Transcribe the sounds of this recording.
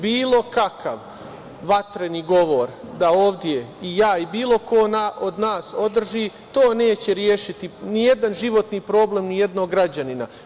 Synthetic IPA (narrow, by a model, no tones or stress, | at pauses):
biːlˠo̞kakʰaʋ | ʋat̪ɾeniːɡo̞ʋo̞ɾd̪ao̞ːʋd̪jeijaːibiːlˠo̞ko̞ːnaʔod̪naːso̞d̪r̩ʒiːt̪o̞ːne̞ːt͡ɕe̞ɾjeːʃit̪inije̞d̪anʒiʋo̞t̪niːpɾo̞ːble̞mnije̞d̪noɡɾad͡ʑanina